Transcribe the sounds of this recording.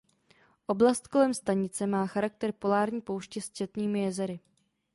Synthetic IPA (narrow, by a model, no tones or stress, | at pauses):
ʔo̞blast̪ko̞lɛmst̪aɲɪt͡sɛmaːxaɾak̚t̪ɛɾpo̞laːɾɲiːpo̞wʃcɛst͡ʃɛt̪ɲiːmɪjɛzɛɾɪ